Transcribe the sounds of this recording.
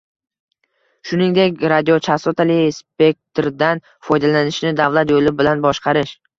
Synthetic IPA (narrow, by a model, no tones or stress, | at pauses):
ʃʊnɪŋd̪e̞kʲɾad̪iot͡ʃʰasot̪alispe̞k̚t̪ʰɾd̪an | fɒjd̪alanɪʃnɪd̪avlˠat̪jolɪbɪlanbɒʃqɑɾɪʃ